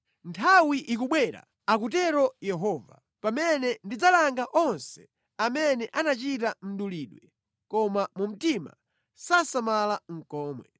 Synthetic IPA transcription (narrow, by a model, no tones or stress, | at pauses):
ntʰawiʔikuɓwɛɾa̰ | ak̬ut̬ɛɾɔjɛɦɔːva̰ | pamɛnɛndid͡zalaŋɡaʔɔnsɛ̥ | amɛnɛʔanat͡ʃit̬am̩ɗuliːɗwɛ | kɔmamum̩tima̰ | sasamalaŋ̩kɔːmwɛ